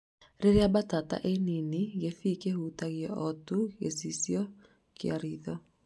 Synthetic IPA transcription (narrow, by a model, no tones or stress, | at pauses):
ɾeɾeabatata̰ʔeniniɣefikehutaɣjɛɔtuɣḛsisjɔ | kea̰ɾiðɔ